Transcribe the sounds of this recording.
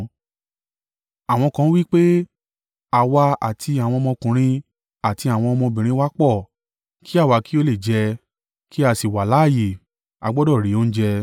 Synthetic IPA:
a˨w̃ɔ̃˧kã˧˦wi˦k͡pe˦ | a˨wa˧a̰˨tʰi˧a˨w̃ɔ̃˧ɔ˧mɔ̃˧kũ˨ɾ̃ĩ˧˦ | a˨ti˧a˨w̃ɔ̃˧ɔ˧mɔ̃˧bĩ˨ɾ̃ĩ˧˦wa˦k͡pɔ˦˨ | ki˦a˦˨wa˧ki˦o˦le˦˨d͡ʒɛ˧ | ki˦a˧si˨wa˨la˨˦˨je˨ | a̰˧ɡ͡bɔ˦dɔ˦˨ɾi˨˦o˦n̩˦d͡ʒɛ˧

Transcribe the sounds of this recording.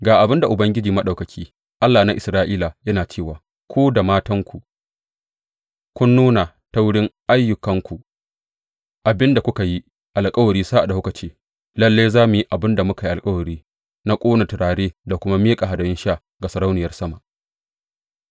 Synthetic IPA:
ɡaː˨ʔa˨bɪ˦nda˨ʔʊ˨bɐ˦ŋɡʲɪ˦d͡ʒiː˨mɐ˦ɗa˨wkɐ˨kʲʰiː˦ | ʔa˦lːaː˨na˦ʔɪ˨sɾaː˦ʔiː˦la˨jɐ˦naː˨t͡ʃeː˦˨waː˨ | kʷoː˦da˨maː˦tɐ˦ŋkʷu˨ʔ | kʷʊ˦nːuː˦na˨ | ta˦wʊ˦ɽɪ˦ŋʔa˦jːʊ˨kɐ˦ŋkʷu˨ʔ | ʔa˨bɪ˦nda˨kʷʊ˦ka˨ji˦ | ʔa˨lkʼɐ˦wɐ˨ɾiː˦sa˦ʔa˨da˨hʊ˦kɐ˨t͡ʃeː˦ | lɐ˦lːeː˦jzaː˦mʊ˨ji˦ʔa˨bɪ˦nda˨mʊ˦ka˨ji˦ʔa˨kʼɐ˦wɐ˨ɾiː˦ | na˦kʷʼoː˦na˨tɪ˨ɽaː˨ɽeː˦da˨kʷʊ˦ma˦meː˦kʼa˨ɦa˨dɐ˨ɪ˦nʃa˦ | ɡa˨sɐ˨ɾa˦wnɪ˨jɐ˦rsɐ˦ma˨ʔ

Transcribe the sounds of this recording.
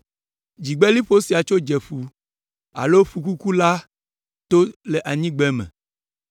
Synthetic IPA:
d͡ʑi˨ɡ͡bɛ˦li˦ɸo˦si˨a˨t͡ʃo˦d͡ʒɛ˨ɸu˨ | a̰˨lo˦fu˨ku˦ku˦la˦ | t̪o˦le˨ʔa˨ɲĩ˦ɡ͡bɛ˦mɛ̰̃˨

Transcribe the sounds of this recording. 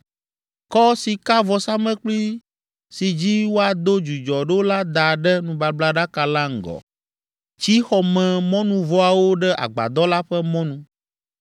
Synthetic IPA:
kɔ˦si˨ka˦vɔ˨sa˦mɛ̃˦k͡pli˦ | si˨d͡ʑi˦wo˦a˨d̪o˦d͡ʒu˨d͡ʒɔ˨ɖe˦wo˦la˦d̪a˨ɖɛ˦nũ˨ba˨bla˦ɖa˦ka˨la˦ŋ̩˨ɡɔ̰˨ | t͡ɕi˦xɔ˨mɛ̃˨mɔ̃˦nũ˦vɔ˦a˨wo˦ɖɛ˦ʔa̰˨ɡ͡ba̰˨d̪ɔ˦la˦ɸɛ˦mɔ̃˦nũ˦

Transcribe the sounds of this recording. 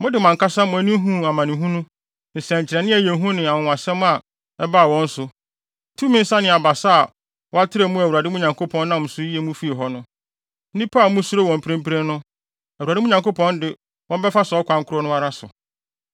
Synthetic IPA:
mʊ̃˦dɪ˨mã˨ŋka˦sã˦mʊ̃˨æ˨˦nĩ˦ɦũ˦a˨mã˨nɪ̃˨ɦũ˦nũ˦ | n̩˨sɛ̃˨ɲ̩˨t͡ɕʰɪ˨ɾɛ˨nɪ̃˦æ˨je˨˦ɦũ˦nɪ̃˨a˨wʊ̃˨a˨sɛ̃˦m˦a˨ | ɛ˦ba˦a˨wɔ̃˦n̩˦sʊ˨˦ | tʰu˦mɪ̃˦n̩˦sã˦nɪ̃˨a˨ba˨sa˦a˨ | wɔ˦a˦tʰɪ˦ɾɛ˦˨mũ˦æ˨wu˨a˨dɪ˦mũ˦ɲã˨ŋkʰo˦pʰɔ̃˦nː˦ã˦˨m̩˨sʊ˦ji˦e˦mũ˦fi˦e˨ɦɔ˦nʊ̃˦ | n̩˦nĩ˦pʰa˦˨˦mũ˦su˦ɾo˦˨wɔ̃˨m˨pʰɾɪ̃˦m˦pʰɾɪ̃˦nʊ̃˦ | æ˨wu˨a˨dɪ˦ũ˦ɲã˨ŋko˦pʰɔ̃˦ndɪ˨ | wɔ̃˦m˦bɛ˦fa˦skʷʰã˦ŋ̩˦kʰʊ˦ɾɔ˦nʊ̃˦a˦ɾa˦sʊ̰˨

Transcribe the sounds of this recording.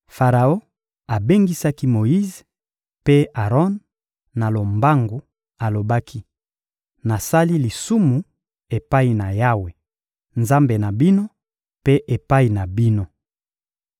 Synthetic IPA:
fa˨ʁa˨o˦ | a˨be˦ŋɡi˦sa˦ki˦mo˨ji˦z | pe˦a˨ʁɔ˦nː | a˨lo˨mba˦ŋɡo˨ | a˨lo˨ba˦kʰi˦ | na˨sa˦li˦li˨su˦mu˨ | e˨pa˦i˨na˨ja˦we˨ | nza˦mbe˨na˨bi˦no˦ | pe˦ʔe˨pa˦i˨na˨bi˦no˦

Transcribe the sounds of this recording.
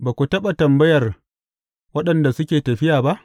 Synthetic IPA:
baː˨kʷu˨tɐ˦ɓa˨tɐ˨mbɐ˦jɐ˨r | wɐ˦ɗɐ˨nda˨sʊ˦kʲeː˨tɐ˨ɸɪ˦jaː˨ba˦ʔ

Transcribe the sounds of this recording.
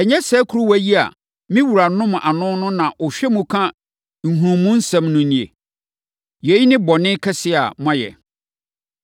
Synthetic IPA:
ɛ˨ɲɛ̃˦sɛː˦kʰu˦ɾu˦wæ˦ji˦a̰˨ | mĩ˦wu˨ɾa˨nʊ̃˦m˨ʔa˨nʊ̃˦nʊ̃˦nã˨ʔʊ˨ɕᶣɛ˦mũ˨kʰã˦ | ŋ̩˨hũ˨ɾũ˨mũ˦n̩˦sɛ̃˨mnʊ̃˨nĩ˨ḛ˨ | jɛ˨˦ji˦nɪ̃˦bɔ˨nɪ̃˦kʰɛ˦sɪ˦˨a̰˨mã˦jɛ̰˨

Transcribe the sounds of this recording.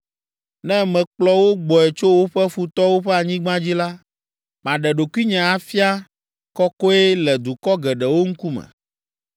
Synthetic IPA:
nɛ̃˦mɛ̃˨k͡plɔ˦wo˦ɡ͡bɔ˨ɛ˨t͡ʃo˦wo˦ɸɛ˦fu˨t̪ɔ˦wo˦ɸɛ˦a˨ɲĩ˦ɡ͡bã˦d͡ʑi˦la˦ | m˨ã˨ɖɛ˨ɖo˨ku˦i˦ɲã˨a˨fi˦a˦ | kɔ˦kɔ˦ɛ˦lɛ˨d̪u˨kɔ˦ɡɛ˨ɖɛ˨wo˦ŋ̩˦ku˦mɛ̰˨

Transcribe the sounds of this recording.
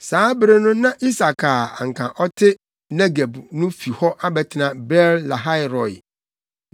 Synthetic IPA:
saː˨˦bɾe˦nʊ̃˦nã˦ʔi˦sa˨kʰa˨a̰˨ŋ̩˨kʰã˨ʔɔ˦tʰɪ˦ | ne˦ɡa˨bnʊ̃˦fi˨hɔ˦ʔa˦bɛ˨tʰɪ˨nã˦˨bɛ˦ɾla˨ɦa˦ɪ˦ɾɔ˨ɪ̰˨

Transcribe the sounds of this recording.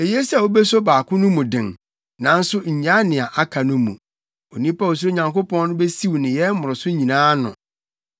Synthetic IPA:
e˨je˦si˦a˨wo˦be˦so˦baː˨kʰʊ̃˦nʊ̃˦mũ˨dɪ̃˨ŋ | nã˨n̩˦sʊ˦ɲ̩˨ɲã˦nɪ̃˨a˨ʔa˦kʰa˨nʊ̃˦mṵ̃˨ | o˨nĩ˦pa˦wo˨s̬ɾo˦ɲã˨ŋko˦pɔ̃˦nnʊ̃˦bɛ˦si˦wnɪ̃˨jɛ˦mʊ˨ɾʊ˨sʊ˦ɲĩ˨nãː˦nʊ̰̃˨

